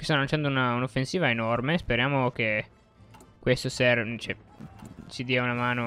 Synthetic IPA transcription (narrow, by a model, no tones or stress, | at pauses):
kest̪anːolant͡ʃand̪ounaunofːensiːvaenormespeɾjaːmok̟e | kwest̪osɛrt͡ʃɛ | sid̪iːaunamaːno